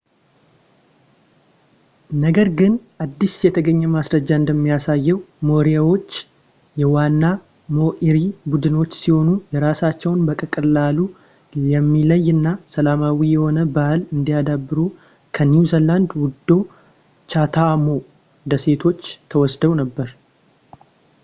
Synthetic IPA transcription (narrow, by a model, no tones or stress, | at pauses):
nəɡəɾɡɨnʔad̪ːisjɛt̪ʰəɡəɲːɛmasɾəd͡ʒːaɨnd̪əmːijasajːɛwmo̞ɾijawo̞t͡ʃː | jɛwanːa | mo̞ʔiɾibud̪ɨno̞t͡ʃːsiho̞nujɛɾasat͡ʃːɛwnbəkʼəkʼɨlalu | jɛmːiləjɨnːasəlamawijɛho̞nəbahlɨnd̪ijad̪abːɨɾu | kʰəniuzəland̪wʊd̪ːo̞ | t͡ʃat̪ʰamo̞ | d̪əse̞t̪ʰo̞t͡ʃːt̪ʰəwɔsd̪əwnəbːəɾ